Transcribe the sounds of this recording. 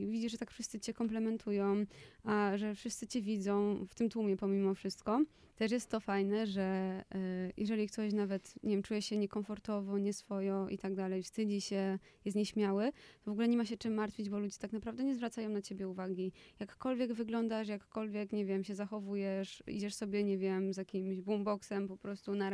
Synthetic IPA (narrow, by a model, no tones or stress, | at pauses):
vʲid͡ʑiʐʐɛt̪akfʂɘst̪sɘt͡ɕɛkɔmplɛmɛnt̪ʰujɔ̃w̃ʔaʐɛfʂɘst̪sɘt͡ɕɛvʲid̪zɔ̃w̃ft̪ɘmt̪wumʲjɛpɔmʲimɔfʂɘst̪kɔ | t̪ɛʂ̬jɛst̪ːɔfajnɛʐɛ | jʔɛʐɛlʲik̚t̪ɔɕnavɛt̪ɲʔɛvʲɛmt͡ʂujɛɕɛɲɛkɔɱfɔɾt̪ɔvɔɲɛsfɔjɔ̃ʔḭt̪aɡ̚d̪alɛjfst̪ɘd͡ʑiɕɛ | jɛst̪ɲɛɕmʲjawɘt̪ɔvɔɡulɛɲɛmaɕ̬ɛt͡ʂɘmːaɾt̪fʲid͡ʑbɔlud͡ʑɛt̪aknapɾavd̪ɛɲɛzvɾat̪sajɔ̃w̃nat͡ɕebʲjɛuvaɡʲijakːɔlvʲjɛɡvɘɡlɔnd̪aʂjakːɔlvʲjɛkɲɛvʲjɛmɕɛzaxɔvujɛʂḭd͡ʑɛʂsɔbʲjɛɲɛvʲjɛmzjakʲimʑbumbɔksɛmpɔpɾɔst̪una